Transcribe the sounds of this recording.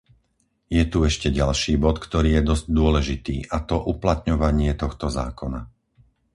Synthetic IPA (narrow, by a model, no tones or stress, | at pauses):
jɛt̪uɛʃcɛɟalʃiːbɔt̪kt̪ɔɾiːjɛd̪ɔzɟd̪ʊɔlɛʒit̪ḭːʔat̪ɔʔuplat̪ɲɔʋaɲɪɛt̪ɔxt̪ɔza̰ːkɔna